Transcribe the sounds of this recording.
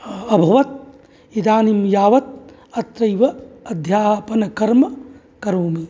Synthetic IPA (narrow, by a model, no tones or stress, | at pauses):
ɐbʱɐʋɐt̪̚ | id̪aːnimjaːʋɐt̪̚ | ɐt̪ɾɐjʋɐɐd̪ʱjaːpɐnɐkɐɾmɐ | kɐɾoːmi